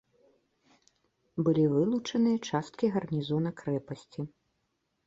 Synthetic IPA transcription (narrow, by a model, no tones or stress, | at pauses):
bɨlʲivɨlˠut͡ʂɐnɨjɐt͡ʂast̪̚kʲiɣɐrnʲizɔnɐkɾɛpɐsʲt͡sʲi